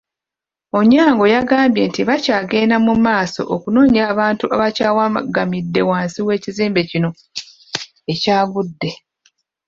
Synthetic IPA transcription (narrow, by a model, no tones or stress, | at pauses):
o̞ɲːaːŋɡo̞jaɡaːmbje̞ntiβacaːɡe̞ːnamumaːso̞̰ʔokuno̞ːɲaːβaːntuʔaβacaːwaɡamidːe̞waːnsiwe̞ːciziːmbe̞cino̞ | ecaːɡudːe̞